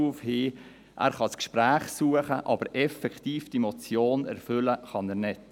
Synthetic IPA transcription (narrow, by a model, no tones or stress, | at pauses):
uːfhiː | ʔæ̰ːɾχɑskʃpræːχsuːəχəʔɑ̰b̥əɾʔɛfɛkχtiːfd̥imɔt͡sjoːnɛ̰ɾfʏləχɑnæɾnɪt